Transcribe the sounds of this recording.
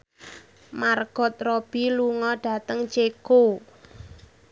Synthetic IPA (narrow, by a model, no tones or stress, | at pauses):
marɡ̥ɔ̤t̪̚rob̥iluŋɔɖ̥a̤t̪əŋt͡ʃeko